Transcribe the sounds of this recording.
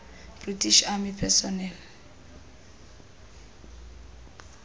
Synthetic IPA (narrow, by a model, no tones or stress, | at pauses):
b̥ritiʃamipʰɛsɔnɛl